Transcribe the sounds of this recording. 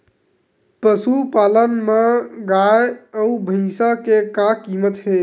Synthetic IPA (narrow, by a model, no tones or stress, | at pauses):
pəsupalənmeɡajəubʱə̃ɪsakekakimət̪ɦe